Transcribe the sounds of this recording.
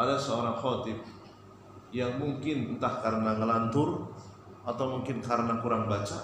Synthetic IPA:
ʔadasəoɾaŋχot̪ɪp̚ | jaŋmuŋkɪnnt̪ahkaɾənaŋəlant̪ʊr | at̪awmuŋkɪnkaɾənakuɾaŋbat͡ʃa

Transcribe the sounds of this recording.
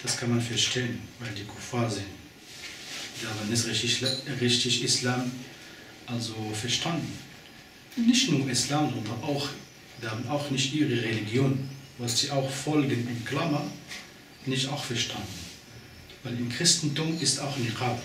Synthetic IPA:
d̥askʰanmanfɛɐʃtʰeːənvaɪldiːkʰufaɐzɪnt | dananɪs | ʁɪçtɪçɪslaːm | ʔalzofɛɐʃtʰandn̩ | nɪçtnuːɐʔɪslaːmzɔndɐnʔaʊx | ihaːbənaʊxnɪçtʔiːʁəʁeliɡjoːnvasz̥iːʔaʊxfɔlɡənɛntkʰlamɐn | nɪçtaʊxfɛɐʃtʰandn̩ | vaɪlɪmkʁ̥ɪstn̩tuːmɪstaʊxniʁaːt

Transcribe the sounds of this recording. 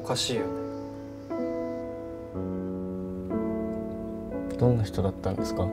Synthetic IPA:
kaɕiːjo | d̪̥õ̞nːaçi̥t̪o̞d̪at̪ːãnd̪esɨ̥ka

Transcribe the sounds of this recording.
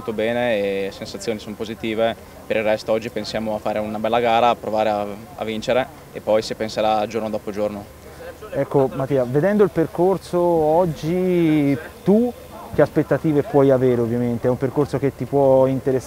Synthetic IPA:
molt̪obɛːnesensat̪sːjoːnisonopozit̪iːve | peɾilrɛst̪oɔd͡ʒːipensjaːmoafːaːɾeunabɛlːaɡaːɾaːpɾovaːɾea | a̰vːint͡ʃeɾe | epːɔjsi̥penseɾad͡ʒoɾnod̪ɔːpod͡ʒorno | ɛkːomat̪ːiːaved̪ɛnd̪oilperkorsoɔd͡ʒːi | t̪u | k̟ːeaspet̪ːat̪iːvepwɔjaveːɾeovːjament̪eɛumperkorsok̟et̪ːipwɔint̪eɾes

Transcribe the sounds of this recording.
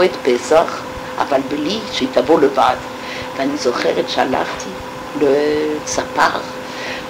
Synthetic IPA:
ɛt̪pesaχ | a̰valbəliʃəit̪avoləvad̪ | vanizoχɛʁɛt̪ʃa̰la̰χt̪ʰi | ləsapa̰ʁ

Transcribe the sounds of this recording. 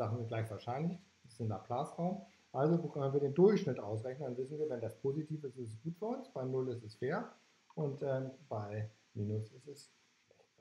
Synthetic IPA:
z̥aχn̩zɪntɡ̥laɪçv̥aːɐʃaɪnlɪç | ɪsɪna̰ːpʰl̥aːsʁaʊm | ʔalzokʰœnənviɐɾeːndʊɐçʃnɪtʔaʊs̬ʁɛçnəndanvɪsn̩viːɐvɛndaspʰoːzitʰiːfɪstɪstɛsɡ̥uːtfyːɐʊnsb̥aɪnʊlɪstɛsfeːɐ | ʔʊntɛːmbaɪ | miːnʊsɪstɛs

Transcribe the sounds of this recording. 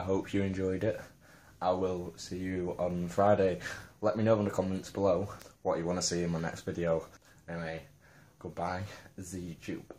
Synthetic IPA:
aɪɦoʊpʰjəɛ̃nd͡ʒɔɪdɪt | ʔaɪwɪlˠsiːjəə̃nfɹaɪɾeɪlɛʔminoʊə̃nəkʰɒmɛ̃ntsb̥ɪloʊwɒt͡ʃəwɑ̃nəsiːɪ̃nmaɪnɛ̰kstv̥ɪdioʊ | ɛ̃nweɪ | ɡ̥ʊd̚baɪzjəjʉt͡ʃʰʉ̰ːb̥

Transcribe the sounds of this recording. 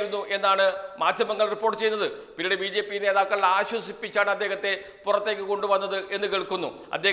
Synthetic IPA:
ɾunːuʔe̞nːaːɳɨmaːd̪ʱjɐmɐŋːɐɭripːo̞ːrʈːɨt͡ɕe̞jːunːɐðɨpiniɽebiːd͡ʑe̞ːpːijne̞ːðaːkːɐɭiaːɕwɐsipːit͡ɕːaːɳɐd̪ːeɦɐt̪ːe̞ | purɐt̪ːe̞ːk̬ʲːɨko̞ɳɖɨʋɐnːɐðɨʔe̞nːɨkiɭkːunːṵ | ɐ̰d̪ːeː

